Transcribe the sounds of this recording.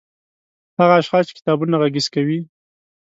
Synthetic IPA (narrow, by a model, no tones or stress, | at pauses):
haɣaːʃxɑst͡ʃe̥kɪ̥t̪ɑbunaɣaɡizkawi